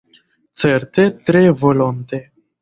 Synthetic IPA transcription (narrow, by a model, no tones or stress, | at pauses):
t̪sərt̪et̪ɾejvolont̪e